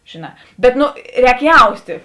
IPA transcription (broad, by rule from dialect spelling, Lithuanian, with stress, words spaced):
ʒʲeːˈnɑː bʲɛt ˈnʊ ˈrʲɛːk ˈjɛʊsʲtʲeː